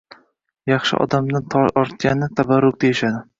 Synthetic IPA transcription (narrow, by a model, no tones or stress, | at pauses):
jɑχʃɪ̰ʔɒ̰d̪amnɪt̪ʰɒɒɾt̪̚ɡʲanɪt̪ʰabaɾʊk̚d̪ajɪʃad̪ɪ